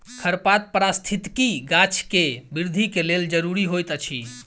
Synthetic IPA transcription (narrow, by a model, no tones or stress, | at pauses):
kʰəɾpat̪̚pəɾast̪ʰit̪kiɡat͡ʃʰkebiɾd̪ʱikeleld͡ʒəɾuɾiɦojt̪ət͡ʃʰi